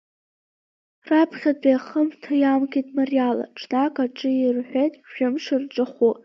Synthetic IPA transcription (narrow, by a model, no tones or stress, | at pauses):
rapʰχʲat͡sʼaχəmtʰajamkʰʲʼitʼmariala̰ʈ͡ʂʰnakʼaʈ͡ʂʼɨirħʷᶣejtʼʒᶣʊmʂɨrʈ͡ʂʼɨχu